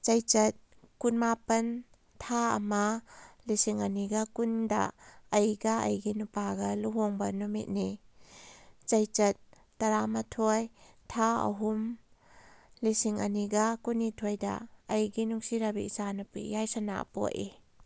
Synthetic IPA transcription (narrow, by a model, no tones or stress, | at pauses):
t͡ʃɐjt͡ʃɐt̚ | kunmapɐn | tʰaɐ̰mɐlisiŋɐniɡɐkundɐ̰ːjɡɐɐ̰jɡinupaɡɐluɦoŋbɐnumḭt̚ni | t͡ʃɐjt͡ʃɐt̚ː | ɐɾamɐtʰoj | tʰaɐ̰ɦum | lisiŋɐniɡɐkunitʰojdɐ̰ːjɡinuŋsiɾabiisanɐpṵjajsɐna̰po̰ʔi